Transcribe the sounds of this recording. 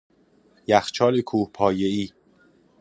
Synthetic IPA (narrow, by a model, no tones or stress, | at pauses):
jæxt͡ʃʰɒːlikʰuːhpʰɒːjeiː